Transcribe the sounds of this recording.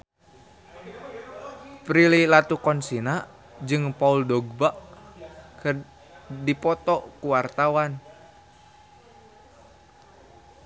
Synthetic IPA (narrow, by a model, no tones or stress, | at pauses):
pɾililat̪ukɔnsina | d͡ʒɨŋpauldɔɡ̚baʔ | kə | dipɔt̪ɔkuwart̪awan